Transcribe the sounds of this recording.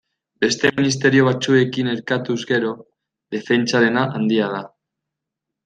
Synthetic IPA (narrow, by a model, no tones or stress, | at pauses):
be̞st̪eminis̬t̪e̞ɾjoβ̞at͡sue̞kine̞ɾkat̪uzɣe̞ɾo | ðe̞fe̞nt͡ʃað̞e̞naʔand̪iað̞a